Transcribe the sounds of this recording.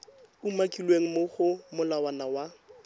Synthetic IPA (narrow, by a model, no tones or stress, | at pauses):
umakʼilweŋ̩moχʊmʊlawanawa